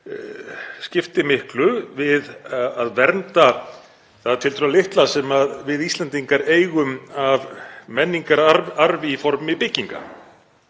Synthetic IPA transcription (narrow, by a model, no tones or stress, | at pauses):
scɪft̪ɪmɪhklʏvɪðaðvɛɾnt̪a | θaðt̪ʰɪlt̪ɾʏalɪht̪lasɛmaðvɪðist̪lɛnt̪iŋkaɾeːjɣʏmavmɛnːiŋkaɾaɾvɪifɔɾmɪpɪcːiŋka̰